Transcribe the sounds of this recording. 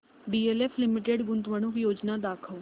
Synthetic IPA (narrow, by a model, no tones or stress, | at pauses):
ɖiːeːleːpʰlɪmɪʈeːɖɡʊnt̪ʋəñukjoːd͡ʒnaːd̪aːkʰəl